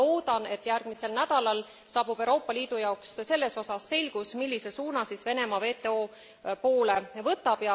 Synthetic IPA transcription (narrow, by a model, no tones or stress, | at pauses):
o̞ːd̪̥ɑne̞t̪ːjærɡ̥mise̞lnæd̪̥ɑlɑl | sɑːb̥ub̥e̞wɾo̞ːpːˑɑliːd̪̥ujɑoksse̞lːe̞so̞sɑsːe̞lʲɡ̥usmilːise̞suːnɑsisve̞ne̞mɑve̞ːt̪e̞oː | poːle̞vɤt̪ːˑɑb̥jɑ